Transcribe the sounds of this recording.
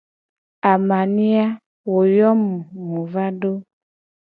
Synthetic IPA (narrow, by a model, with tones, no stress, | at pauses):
a˨ma˨nĩ˦a˦ | wo˨jɔ˦mũ˨mũ˨va˦ɖo˦